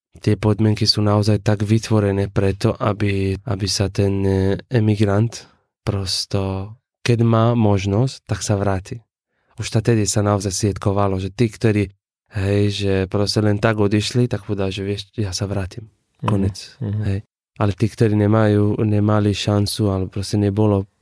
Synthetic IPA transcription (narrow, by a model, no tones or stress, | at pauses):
t̪ɪɛpɔd̪mɪɛŋkisuːnaɔzajt̪aɡʋit̪ʋɔɾɛnɛpɾɛt̪ɔʔabiʔa̰bisat̪ɛnɛmiɡɾant̪ | pɾɔst̪ɔ | kɛd̪maːmɔʒnɔstt̪aksaʋɾaːt̪i | uʃt̪at̪ɛd̪isanaɔzajsʋʲɛt̪kɔʋalɔʒɛt̪iːkt̪ɔɾiː | ɦɛjʒɛpɾɔscɛlɛnt̪aɡɔd̪iʃlit̪ak̚pɔd̪aʒɛʋɪɛʃjaːsaʋɾaːt̪im | kɔɲɛt͡sɦɛj | ʔalɛt̪iːkt̪ɔɾiːnɛmajuːnɛmaliʃant͡sualɛpɾɔscɛnɛbɔlɔ